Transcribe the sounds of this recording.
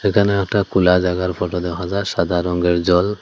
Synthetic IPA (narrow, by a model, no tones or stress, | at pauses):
sekʰanɛɛkʈakulazaɡaɾpʰɔʈɔd̪ɔɦazaɾsad̪ʱaɾɔŋɡeɾd͡ʒɔl